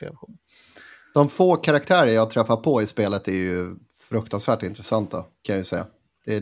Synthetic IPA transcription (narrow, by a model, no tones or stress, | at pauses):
ḛːla̰ɧuːn | d̪̥ɔmfoːkʰaɾak̚t̪ʰæːɾəjɑːat̪ʰɾɛfːapʰɔɪspeːlət̪æɾjɵ | fɾɵk̚t̪ansvæːʈɪnt̪ɾɛsant̪ʰːakʰanjajɵsɛjːa̰ | d̪̥ɛ